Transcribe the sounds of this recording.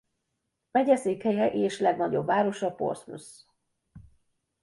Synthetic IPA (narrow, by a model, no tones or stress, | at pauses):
mɛɟɛseːkhɛjɛʔeːʃlɛɡnɒɟo̞̰bːaːɾo̞ʃɒpo̞̰rsmṵs